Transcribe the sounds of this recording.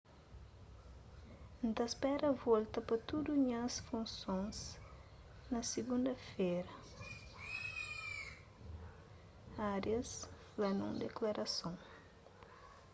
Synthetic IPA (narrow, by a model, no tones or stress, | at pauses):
nt̪ɐspɛɾɐvɔlt̪ɐpɐt̪ud̪uɲɐsfũnsõns | nɐsiɡũnd̪ɐfeɾɐ | aɾjɐs | lɐnũŋd̪eklaɾʔɐsõŋ